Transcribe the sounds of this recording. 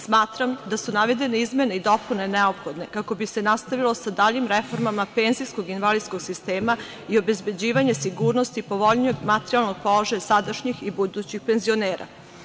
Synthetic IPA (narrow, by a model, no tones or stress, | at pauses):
smaːt̪ɾamd̪asunaʋe̞d̪e̞neizme̞ne̞id̪o̞pune̞neo̞pxo̞d̪ne̞kako̞bise̞nast̪aʋilo̞sad̪aːʎimɾe̞fo̞ɾmamape̞nzisko̞ɡinʋalid̪sko̞ɡ̥sist̪e̞ːma | io̞be̞zbe̞d͡ʑiːʋaɲe̞siɡuːɾno̞st̪ipo̞ʋo̞ʎɲoɡmat̪eɾialˠno̞ɡ̥̚po̞lˠaʒajasad̪aʃɲixibud̪uːt͡ɕixpe̞nzio̞neːɾa̰